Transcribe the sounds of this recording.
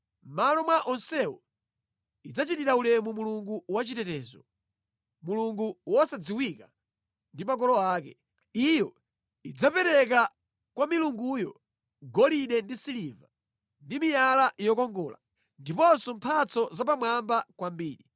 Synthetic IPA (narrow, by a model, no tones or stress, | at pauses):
malɔmwaʔɔnsɛwɔ | id͡zat͡ʃitiɾaulɛmumuluŋɡuwat͡ʃitɛtɛːzɔ | muluŋɡuwɔsad͡ziwika | ndimak̬ɔlɔaːkɛ | ijɔ | id͡zapɛɾɛka | kwamiluŋɡujɔ | ɡɔliɗɛndisiliva | ndimijalaʔjɔkɔŋɡɔːla̰ | ndipɔnsɔmpʰat͡sɔzapamwambakwambiːɗi